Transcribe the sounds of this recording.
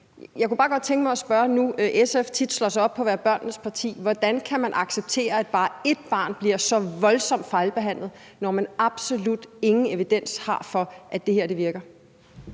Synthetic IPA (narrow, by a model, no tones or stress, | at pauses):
jɑ̈ɪkubɑ̈ːɡ̥ɒ̽d̥̚t͡sʰeŋɡ̥əmɑ̈ɪɒ̽sb̥ɶɐnuʔeseft͡sʰid̥slɒ̽sɒ̽b̥̚pʰɒ̽ʋæːɐb̥ɶɐnnəspʰɑ̈t͡sʰḭːʋɒd̥ænkʰæmænʔɑ̈ɡ̥seb̥̚t͡sʰe̝̰ːɐæd̥̚b̥ɑ̈ːe̝d̥̚b̥ɑ̈ːnb̥liɐ̰sɒ̽ʋɒ̽lsɒ̽m̰d̥fɑ̈ɪlb̥e̝ɦæn̰lð̩ˠ | nɒmænɑ̈b̥so̝lud̥e̝ŋn̩e̝ʋid̥en̰shɑ̈fɒ̽ʔæd̥e̝heɐ̰d̥e̝ʋiɐɡ̥ɐ